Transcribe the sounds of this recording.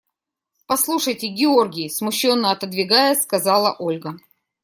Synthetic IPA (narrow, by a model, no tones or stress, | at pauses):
pɐslˠuʂəjtʲɪɡʲɪo̞rɡʲɪjɪsmʊɕːonːəɐt̪əd̪vʲɪɡajəskɐzɑlˠə̰ʔolʲɡə